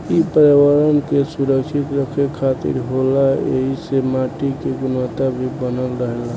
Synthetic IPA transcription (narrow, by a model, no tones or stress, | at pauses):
ipəɾiwaɾənkesuɾəkʃit̪ɾəkʰekʰat̪ḭɾɦolaḛɦisemaʈikeɡʊnət̪abʱibənəlɾəɦela